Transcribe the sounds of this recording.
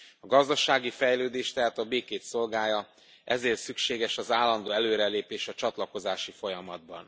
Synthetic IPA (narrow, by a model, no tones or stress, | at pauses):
ɒɡɒzd̪ɒʃaːɡifɛjløːd̪eːʃt̪ɛɦaːt̪ɒbeːkeːt̪so̞lɡaːjɒ | ʔɛ̰zeːrt̪sykʃeːɡɛʃɒzaːlːɒnd̪oːɛløːɾɛleːpeːʃɒt͡ʃɒt̪lɒko̞zaːʃifo̞jɒmɒd̪̚bɒ̰n